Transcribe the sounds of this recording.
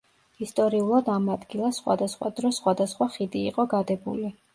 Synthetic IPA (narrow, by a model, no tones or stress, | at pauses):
ist̪ʼɔɾiulˠad̪amad̪ɡilˠasχwa̰d̪asχwa̰d̪ɾɔsχwad̪asχwaχid̪iːqʼɔɡad̪ɛbuli